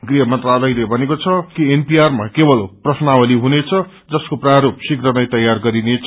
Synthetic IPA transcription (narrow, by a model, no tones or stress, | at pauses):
ɡriɦʌmʌnt̪ralʌjlebʱʌnekot͡sʰʌkienpiarmakebʌlprʌsnawʌliɦunet͡sʰʌ | d͡zʌskopraɾopsikrʌnʌjt̪ʌjarɡʌɾinet͡sʰ